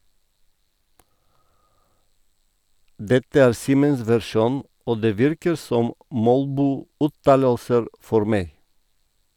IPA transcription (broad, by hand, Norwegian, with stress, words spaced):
ˈdɛtə ˈæːɾ ˈsiːməns ʋæɾˈʃuːn ˈoː ˈdeː ˈʋɪɾkəɾ ˈsɔm ˈmɔlbuːˌʉːtɑːləlsəɾ ˈfɔɾ ˈmeɪ